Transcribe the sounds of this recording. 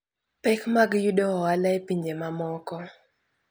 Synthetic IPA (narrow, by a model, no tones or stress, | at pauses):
pɛkmaɡjuɗɔɔalajpiɲd͡ʒemamɔkɔ